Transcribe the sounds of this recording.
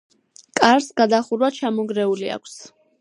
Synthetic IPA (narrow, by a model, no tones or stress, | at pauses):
kʼaɾsɡad̪aχuɾwat͡ʃʰamɔɡɾɛulia̰kʷʰs